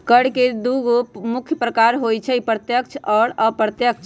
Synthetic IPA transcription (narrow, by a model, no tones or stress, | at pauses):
kəɽked̪uɡopmukʰːjəpɾəkaɾɦojt͡ʃʰɛipɾət̪jəkt͡ʃʰɔːɾəpɾət̪jək̚t͡ʃʰ